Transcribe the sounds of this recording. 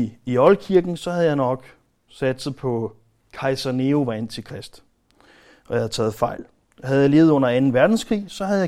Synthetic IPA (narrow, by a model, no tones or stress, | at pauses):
iɒ̽lkʰiɐɡ̥n̩sɒ̽hæð̞̩ˠjɑ̈ɪnɒ̽ɡ̥ | sæd̥sð̩ˠpʰɒ̽ | kʰɑ̈ɪsɐne̝o̝ʋɑ̈en̰t͡sʰe̝kʰʁɛsd̥ | ʔɒ̽jɑhæð̩ˠt͡sʰɛ̰ːð̞̩ˠfɑ̈ɪ̰l | hæð̞̩ˠjɑle̝ːʊð̩ˠɔ̽n̰ɐænn̩ʋæɐd̥n̩skʰʁḭːsɒ̽ɦæðˠjɑ̈ɪ